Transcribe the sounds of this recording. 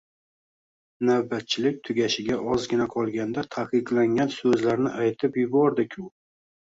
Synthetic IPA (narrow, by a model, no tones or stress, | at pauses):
nawbat̪̚t͡ʃʰɪlɪk̚ʲt̪ʰʊɡʲaʃɪɡʲaʔɒzɡʲɪnaqʰɒlˠɡʲand̪at̪ʰaqɨqlaŋɡʲansɵzlaɾnɪʔajt̪ʰɪpjʊbɒɾd̪ɪkʲʰʊ